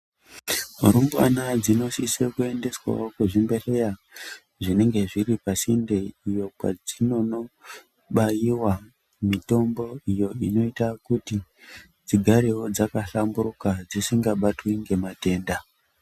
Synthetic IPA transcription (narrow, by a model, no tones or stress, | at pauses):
ɾumbwa̰nad͡zino̞sisekue̞nde̞swa̰wokuʐimbe̞re̞ja | ʐine̞ŋɡe̞ʐiɾipasindeijo̞kwa̰d͡zino̞no | ɓajiwa | mito̞mbo̞ijo̞ino̞itakuti | d͡ziɡʱaɾeɦod͡zakaɬambuɾukad͡zisiŋɡaɓatwiŋɡe̞mate̞ːnda